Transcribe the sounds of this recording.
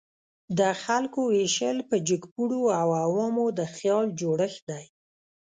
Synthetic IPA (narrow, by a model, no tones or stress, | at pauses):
d̪əxalkoeʃəlpəd͡ʒəkpuɽoawawɑmod̪əxjɑld͡ʒoɽəxd̪aj